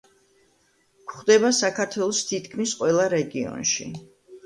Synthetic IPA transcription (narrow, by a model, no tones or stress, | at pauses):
kχd̪ɛbasakʰaɾt̪ʰwɛlˠɔst̪ʰit̪ʰkʰmisqʼwɛlˠaɾɛɡiɔ̰nʃḭ